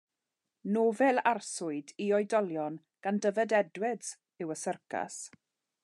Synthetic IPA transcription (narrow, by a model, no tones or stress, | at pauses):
noːvɛlˠarsʊɨdiɔɨdɔlˠjɔn | ɡ̥andəvədɛdwɪz̥ | ɨwəsərkʰa̰s